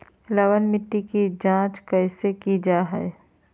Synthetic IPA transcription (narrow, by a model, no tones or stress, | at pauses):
ləwənmɪʈːikid͡ʒãːt͡ʃkəɪsekid͡ʒaːɦɛ̰ɛ